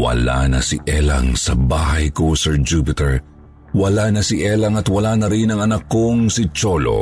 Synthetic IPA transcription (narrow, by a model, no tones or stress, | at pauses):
wɐ̰la̰nɐ̰siʔɛlɐ̰ŋsɐbaːɦɐjkosɛɹd͡ʒupɪt̪ɛɹ | wɐlanɐsiʔɛlɐŋɐt̪wɐlaːnɐɾinɐŋɐnɐkːoŋsit͡ʃolo̰